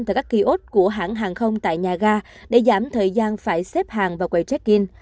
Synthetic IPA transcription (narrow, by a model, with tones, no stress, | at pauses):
aː˨˩kaː˦˥kːi˧ʔo˦˥t̚ku˧˩əɦa̰ː˧˩ŋɦaː˨˩ŋxə˧wŋ͡mt̪a̰ː˧˨jɲaː˨˩ɣaː˧ | ɗe˧˩zaː˧˩mt̪ʰəː˨˩jzaː˧nfaː˧˩jsɛ˦˥p̚haː˨˩ŋvaː˨˩wkwə˧˨˩jt͡ɕɛ˦˥k̚ki˧n